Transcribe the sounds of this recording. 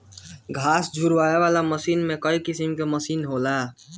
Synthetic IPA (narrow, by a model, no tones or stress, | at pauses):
ɡʱaːsd͡ʒʱʊɾʋaːeʋaːlaməsiːnmẽkəikɪsimkeməsiːnɦoːlaː